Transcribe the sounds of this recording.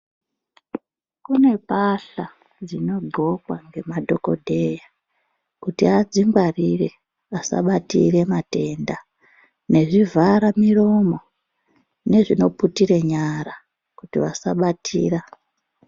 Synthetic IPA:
kune̞paɬa | d͡zino̞ɡʱo̞kwaŋɡe̞madʱo̞ko̞̰dʱe̞ja | kutiad͡ziŋɡwarire̞ | asa̰ɓatḭre̞mate̞nda | ne̞ʐivʱaɾamiro̞mo̞ | ne̞ʐino̞putire̞ɲaɾa | kutiʋasaɓatʰḭːra

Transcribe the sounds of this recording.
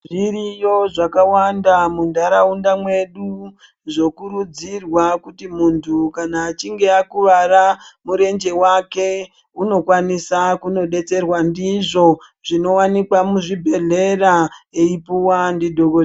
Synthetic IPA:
ʐirijo̞ʐakawandamundaɾaundamwe̞ɗu | ʐo̞kuɾud͡zirwakutimuntʰukanaːt͡ʃiŋɡe̞akuʋaɾamuɾe̞nd͡ʒe̞wake̞ | uno̞kwanisakuno̞ɗe̞t͡se̞rwandiʐo̞ | ʐino̞wanikwamuʐibʱe̞ɮe̞raeipuwandidʱoɡo

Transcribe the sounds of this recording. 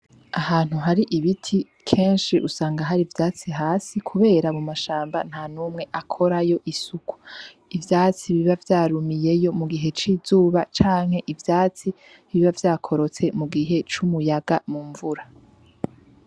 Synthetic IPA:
ahaːn̥uɦaɾiʔiβitʰi | kʰe̞ːnʃiʔusaːŋɡaɦaɾivjaːt͡siɦaːsikʰuβe̞ːɾamumaʃaːmba̰n̥hanuːmŋe̞ʔakʰo̞ɾajo̞ʔisuku̥ | ivjaːt͡siβiβavjaːɾumije̞jo̞muɡiɦe̞t͡ʃiːzuːβat͡ʃaːŋ̥he̞ʔivjaːt͡si | βiβavjaːkʰo̞ɾo̞t͡se̞muɡiɦe̞t͡ʃumujaɡamuːɱvuɾa

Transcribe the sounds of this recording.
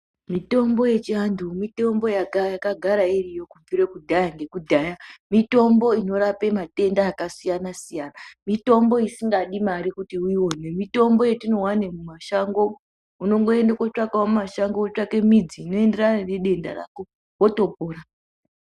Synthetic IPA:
mito̞mbo̞je̞t͡ʃiandumito̞mbo̞jaɡajakaɡʱaɾairijo̞kuviɾekudʱajaŋɡe̞kudʱajamito̞mbo̞ino̞ɾape̞mate̞ndaːkasijanasijaːnamito̞mbo̞isiŋɡaɗimaɾikutiuiwo̞ne̞mito̞mbo̞jetino̞wane̞mumaʃaŋɡo̞ | uno̞ŋɡo̞e̞ndakot͡ʂakawmumaʃaŋɡout͡ʂake̞mid͡ziːno̞e̞nde̞ranane̞ɗe̞nda̰ra̰ːko̞ | woto̞po̞ːɾa

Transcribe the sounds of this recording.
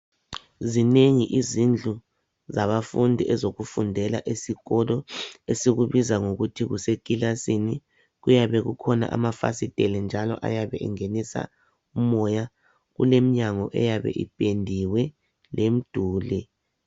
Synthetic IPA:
zineŋiʔizind͡ɮʱu | zaβafundʱiʔɛzoɣufundʱɛla̰ʔesiɣɔlɔesiɣuβizaŋoɣutʰiɣusekʼilasini | ɣujaβɛɣukʰɔna̰ʔa̰mafa̰sitʼɛlɛnd͡ʒʱalɔ̰ʔa̰jaβɛʔḭŋenisa̰ | umɔja | ɣṵlem̩ɲaŋɔʔɛ̰jaβɛ̰ʔḭpʼendʱiwɛ | lem̩d̥ʱuːlɛ

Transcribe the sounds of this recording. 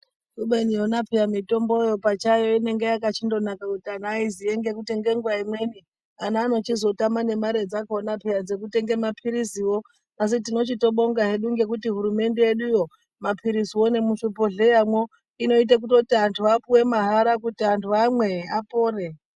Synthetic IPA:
ruɓenionapʰijamito̞mbo̞jo̞pat͡ʃajo̞ine̞ŋɡejakat͡ʃindo̞nakakutianaizie̞ŋɡe̞kute̞ŋɡe̞ŋɡwaimwe̞ni | anaːno̞t͡ʃizo̞tamane̞maɾe̞d͡zakonapejad͡ze̞k̬ute̞ŋɡe̞mapʰiɾisiwo̞ | as̬itino̞t͡ʃito̞ɓo̞ŋɡaɦe̞ɗuŋɡe̞k̬utiɦuɾume̞nde̞eɗujo̞ | mapʰiɾisiwo̞ne̞muʂupo̞ɮe̞jamwo̞ | ino̞it̬ak̬uto̞tiantʰuapuwe̞maɦaɾakutiantʰuamwe̞apoːre

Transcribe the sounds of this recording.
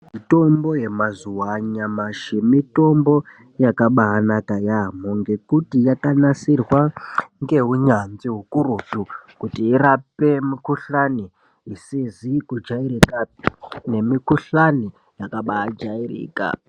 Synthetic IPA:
mito̞mbo̞je̞mazuwaɲamaʃimito̞mbo̞ | jakaɓaɦːnakajamoŋɡe̞kutijakanasirwaŋɡe̞ɦuɲanziɦukuɾutukutiːrape̞mikuɬani | isizikud͡ʒaiɾikane̞mikuɬani | jakaɓaːd͡ʒairḭːka̰

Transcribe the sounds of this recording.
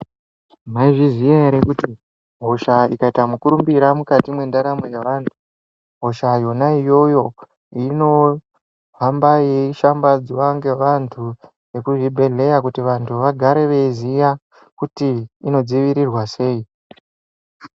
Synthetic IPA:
maiʐizijaeɾekuti | ɦo̞ʃaikaitamukuɾumbiɾamukatimwe̞ndaɾamojeʋantʰu̥ | ɦo̞ʃajo̞naijo̞jo̞ | ino̞ | vambajeʃambad͡ziwaŋɡe̞ʋantʰu | je̞kuʐibʱe̞ɮe̞jak̬utiʋantʰuʋaɡʱaɾe̞ʋe̞izija | kutiːno̞d͡ziʋiɾirwase̞i

